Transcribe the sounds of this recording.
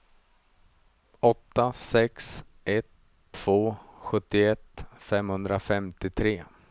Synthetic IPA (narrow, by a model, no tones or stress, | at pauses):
ɔt̪ːasɛks | ʔɛt̪ʰː | v̥oːɧɵt̪ːɪɛt̪ːfɛmhɵnd̪ɾafɛmt̪ɪt̪ʰɾeː